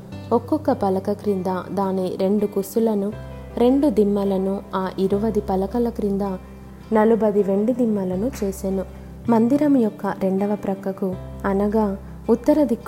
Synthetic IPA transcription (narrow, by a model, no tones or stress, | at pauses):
ɔkːɔkːɐpɐlɐkɐkɾind̪ad̪aːniɾe̞ɳɖukusulɐnu | ɾe̞ɳɖud̪imːɐlɐnuaːʔiɾuʋɐd̪ipɐlɐkɐlɐkɾind̪aː | nɐlubɐd̪iʋe̞ɳɖud̪imːɐlɐnut͡ʃeːseːnu | mɐnd̪iɾɐmujɔkːɐɾe̞ɳɖɐʋɐpɾɐkːɐkuɐnɐɡaː | ut̪ːɐɾɐd̪ikː